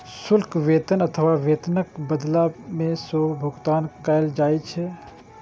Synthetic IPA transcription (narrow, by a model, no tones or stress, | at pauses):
sʊlkʋeːt̪ənɐt̪ʰəʋaʋeːt̪nəkbəd̪lamẽsoːbʱʊɡt̪aːnkaːjld͡ʒaːit͡ʃʰɛ